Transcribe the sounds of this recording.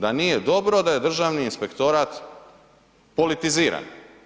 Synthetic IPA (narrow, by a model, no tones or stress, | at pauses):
d̪anijed̪o̞bɾod̪aje̞d̪r̩ʒaːʋniinspekt̪o̞ɾat̪ | po̞lit̪iziːɾa̰n